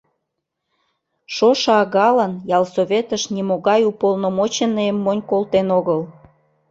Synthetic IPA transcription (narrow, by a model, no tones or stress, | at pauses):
ʃoʃɑɑɣɑlənjɑlsoβʲet̪əʃnimoɣɑjupolnomot͡ɕenəemːonʲkolt̪enoɣəl